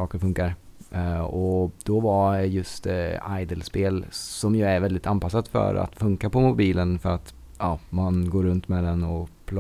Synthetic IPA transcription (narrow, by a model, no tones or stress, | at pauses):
ɑːkəɾfɵŋkaɾ | ɔd̪̥ɔvaɛjɵst̪ajd̪əlspeːlsɔmjɵæɾvɛld̪ɪt̪ʰanpas̬ːad̪fœ̰ɾa̰t̪fɵŋkapɔmʊbiːlənfœɾat̪ | ɑːmanɡoːɾɵnt̪mɛd̪ɛnɔpʰl